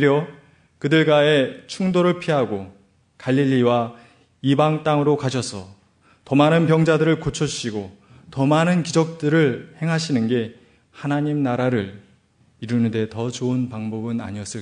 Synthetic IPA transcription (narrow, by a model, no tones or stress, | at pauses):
ɾjʌ | kɯdɯɭɡaet͡ɕʰuŋdoɾɯɭpʰiɦaɡo | kaʎːiʎːiwa | ibaŋt͈aŋɯɾokaɕʰʌsʰʌ̰ | tʌmanɯnpjʌŋd͡ʑadɯɾɯɭkot͡ɕʰʌɕ͈iɡo | tʌmanɯnkid͡ʑʌk̚t͈ɯɾɯɭhe̞ŋɦaɕʰinɯnɡe̞ | hanaɲimnaɾaɾɯɭ | iɾunɯnde̞tʌt͡ɕoɯnpaŋbʌbɯna̰ɲiʌs͈ɯ